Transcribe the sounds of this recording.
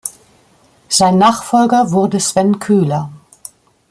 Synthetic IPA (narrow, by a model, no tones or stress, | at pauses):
z̥aɪnːaːχfɔlɡɐvʊʁdəsv̥ɛnkʰyːlɐ